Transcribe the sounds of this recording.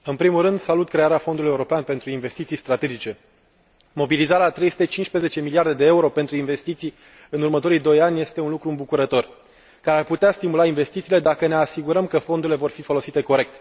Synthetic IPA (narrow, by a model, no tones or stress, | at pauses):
ɨnpɾimulrɨnd̪salut̪̚kɾe̞aɾeafond̪ulujeuɾo̞peanpe̞nt̪ɾuinve̞st̪it̪sijst̪ɾat̪e̞d͡ʒit͡ʃe̞ | mo̞bilizaɾeat̪ɾe̞jsu̥t̪e̞t͡ʃint͡ʃspɾeze̞t͡ʃe̞miliard̪e̞d̪e̞euɾo̞pe̞nt̪ɾuinve̞st̪it̪sij | ɨnurmət̪o̞ɾijd̪o̞janʲje̞st̪e̞unlukɾuɨmbukuɾət̪o̞r | kaɾearput̪east̪imulainve̞st̪it̪siːle̞d̪akəne̞asiɡuɾəmkəfo̞nd̪uɾile̞vo̞rfifo̞lo̞sit̪e̞ko̞ɾe̞k̚t̪